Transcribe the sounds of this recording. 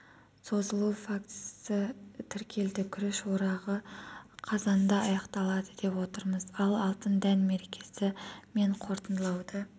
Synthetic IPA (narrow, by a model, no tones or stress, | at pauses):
so̞zəlˠufakt̪ət̪ʰɪɾkʲʰe̞ld̪ɪkʲʰʏɾɪʃwo̞ɾɑʁəqʰɑzɑnd̪ɑːjɑqt̪ɑlˠɑd̪əd̪e̞pwo̞t̪əɾməzɑlˠɑlˠt̪ənd̪ænme̞ɾe̞kʲʰe̞sɪme̞ɴqʰo̞ɾt̪ənd̪əlˠɑwd̪ə